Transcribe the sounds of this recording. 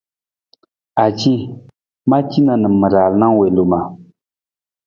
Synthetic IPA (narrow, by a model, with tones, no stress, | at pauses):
ʔa˨t͡ɕi˦ | ma˦t͡ɕi˦˨na˨nə˨mːə˨ɾa˨lna˦ŋwe˨lo˨ma˨